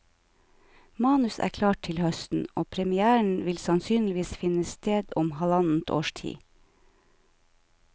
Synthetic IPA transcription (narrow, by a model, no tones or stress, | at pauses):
mɑːnʉsæ̰ːkʰlɑːʈ̚tʰɪlhœst̪n̩oːpʰɾɛmɪæːɳ̩ʋɪlsɑnsyːnlɪʋiːsfɪnəst̪eːd̪ʊmhɑlɑnn̩t̪ʰo̰ːʃʈʰḭː